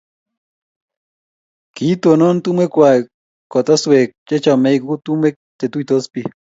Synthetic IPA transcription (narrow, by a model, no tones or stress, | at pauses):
kit̪onont̪umekʷa | kot̪asuwek̚t͡ʃet͡ʃamejkut̪umek̚t̪et̪uit̪ospi